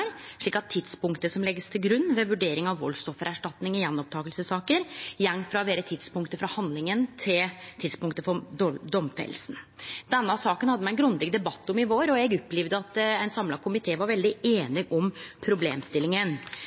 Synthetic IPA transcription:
ɾʂɭiːkɑt̪ʰːɪt̪spʊŋkt̪əsɔmlɛɡːəst̪ʰɪlɡɾʉnːʋɛʋʉɖeːɾɪŋɑʋːɔ̰lst̪ɔfːəɾæʂʈɑt̪nɪŋɪjɛnːɔp̚t̪ʰɑːɡəlsəsɑːkəɾjɛŋːfɾɑʋeːɾət̪ʰɪd̪spʊŋkt̪əfɾɑhɑnd̪lɪŋənt̪ʰɪlt̪ʰɪd̪spʊŋkt̪əfɔd̪d̪ɔmfɛ̰lsn̩d̪̥ɛnːəɑsɑːkənhɑd̪ːmɛæɪnɡɾʉnd̪ɪɡd̪ɛbɑt̪ːɔmɪʋoːɾɔɛɡʉpːliʋd̪əɑt̪ɛɪnsɑmlɑkʰʊmɪt̪ʰeːʋɑɾʋɛld̪ɪeːnɪʔɔmpʰɾʊbleːmst̪ɪlːɪŋən

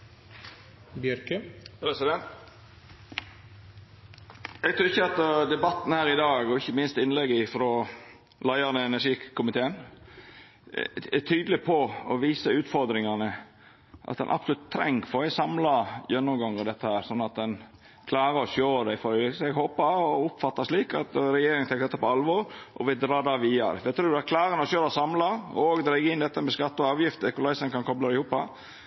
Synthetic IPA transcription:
bjœɾkəpɾɛsɪd̪ɛnt̪ | ɛɡ̚t̪ʰɾʉːɾɪçːəɑt̪d̪ɛbɑt̪ːn̩hæːɾɪd̪ɑːɡɔɪçːəmɪnst̪ɪnlɛɡɪfɾoː | lɑɪɑnəɛnæʂiːkʰʊmɪt̪ʰeːən | ɛt̪ʰyːd̪əlɪpʰɔɔʋiːsəʉːt̪fɔɾd̪ɾɪŋɑnə | ʔɑ̰t̪̚d̪ɛ̰nʔɑ̰psɔlʉt̪t̪ʰːɾɛ̰ŋːfɔɾɛsɑmlɑjœnːɔmɡɑŋːəɾd̪ɛt̪ːəhæːɾsɔnːɑt̪̚d̪ɛn | kʰlɑːɾəɾɔɕøːɾəd̪æɪfɔɾɪsɛɡɦoːpɑɾɔʊpfɑt̪ːɑʂliːkɑ̰t̪ɾɛjeːɾɪŋət̪ʰɛŋk̪əd̪ɛt̪ːɑpɔɑlʋɔɾʔɔ̰ʋɪld̪ɾɑːd̪ɑːʋiːɑ̰ɾɛfɛt̪ʰɾuːd̪ækʰlɑːɾəənɔɕøːɾsɑmlɑɔɡd̪ɾæɡəɪnd̪ɛt̪ːəmɛskɑt̪ːəɔɑːʋjɪft̪əkʊlɑɪsənkɑnkʰɔblɑlɪhuːpɑ

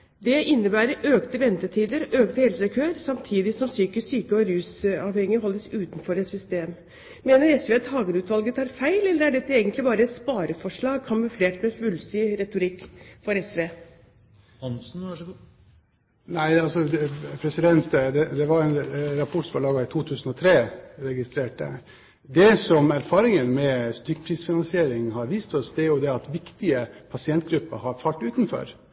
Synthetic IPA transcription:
d̪ɛʔɪnːəbæːɾəɾøːkt̪əʋɛnt̪ət̪ʰiːd̪əɾʔøːkt̪əheːlsɛɪkʰøːɾsɑmt̪ʰiːd̪ɪsɔmsyːkəsyːkəɔɾʉːsɑːʋhɛŋːəɦɔlːəsʉːt̪nfɔɾɛt̪sʏst̪eːm | meːnəɾɛsʋeːɑt̪hɑːɡənʉːt̪ʋɑlɡət̪ʰɑːɾfæɪlɛlːəɾæɖɛt̪ːəeːɡənt̪lɪbɑːɾəɛt̪spɑːɾəfɔʂɭɑːɡ̚kʰɑmʉfleːʈmɛsʋʉlsɪɾɛt̪ʊɾɪkːfɔɾɛsʋeː | nsn̩ | næɪɑlsɔpʰɾɛsɪd̪ɛnt̪d̪ɛd̪ɛʋɑɾɛnɾɑpʰɔʈsfolɑːɡɑɪt̪ʰuːt̪ʰʉːsn̩ɔt̪ʰɾeːɾɛɡɪst̪ɾeːʈə̰ | d̪ɛsɔmæɾfɑːɾɪŋənmɛst̪ʏkːpʰɾiːsfɪnɑnsɪeːɾɪŋhɑɾʋiːst̪ɔsd̪ɛæɾjʊd̪ɛɑt̪ʋɪkt̪ɪəpʰɑsɪɛnt̪̚ɡɾʉpːəhɑɾfɑlʈʉːt̪nfɔ̰ɾ

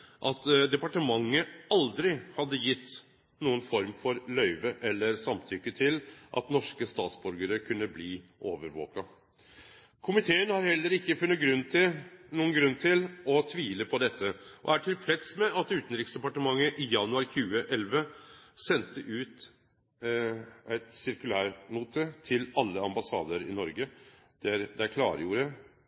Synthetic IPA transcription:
ʔɑt̪d̪ɛpɑʈəmɑŋːəɑld̪ɾɪhɑd̪ːəjɪt̪ː | nuːənfɔɾmfɔɾlœʏʋəʔɛlːəɾsɑmt̪ʰʏkːət̪ʰɪlʔɑ̰t̪nɔʂkəst̪ɑːt̪sbʉɾɡəɾəkʰʉnːəbliːʔoːʋəɾʋo̰ːkɑ | kʰʊmɪt̪ʰeːənhɑɾhɛlːəɾɪkːəfʉnːət̪̚ɡɾʉnːt̪ʰɪnuːənɡɾʉnt̪ʰɪlɔt̪ʰʋiːləpʰɔd̪ɛt̪ːəʔɔ̰æʈʰɪlfɾɛt̪smɛʔɑt̪ʉːt̪n̩ɾɪksd̪ɛpɑʈəmɑŋːəʔɪjɑnʉɑɾçʉːəʔɛlʋəsɛnt̪ʰəʔʉːt̪ | ʔæɪt̪sɪɾkʉlæːɾmuːt̪ət̪ʰɪlɑlːəɑmbɑsɑ̰ːd̪əɾɪ̰nɔɾɡə | d̪̥æɾd̪ɛækʰlɑ̰ːɾəjuːɾə

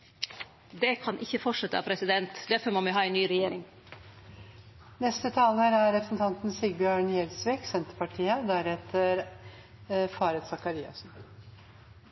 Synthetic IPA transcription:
d̪ɛkʰɑnʔɪçːəfɔʈʂɛt̪ːəɑ̰pʰɾɛsɪd̪ɛnt̪d̪æɾfɔɾmoːmɪɦɑːɛɪnnyːɾɛjeːɾɪŋ | nɛst̪ət̪ʰɑːləɾæɾɾɛpɾəsn̩t̪ʰɑnt̪n̩siɡ̚bjøːɳjɛlsʋiːɡsɛnt̪əɾpɑʈʰiːəd̪æɾɛt̪ʰːəɾ | fɑːɾət̪sɑkɑɾiːɑ̰sn̩

